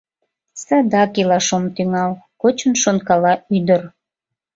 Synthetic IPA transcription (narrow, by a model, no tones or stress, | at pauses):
sɑd̪ɑkilɑʃomt̪yŋɑlkot͡ɕənʃonkɑlɑyd̪ər